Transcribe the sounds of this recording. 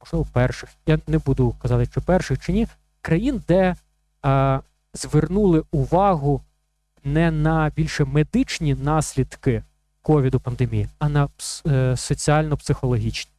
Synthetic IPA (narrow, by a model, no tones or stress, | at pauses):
mɔʒlɪʋɔpɛrʃɪxjanɛbud̪ʊkɐzɑt̪ɪʃt͡ʃɔpɛrʃɪxt͡ʃɪnʲi | kɾɐjind̪ɛ | zʋernulˠɪʊʋɑɦʊ | nɛnɐbʲilʲʃɛmed̪ɪt͡ʃnʲinɑsʲlʲid̪kɪ | kɔʋʲid̪ʊpɐnd̪emʲijiɐnɐ | sɔt͡sʲiɑlʲnɔpsɪxɔlˠɔɦʲit͡ʃnʲi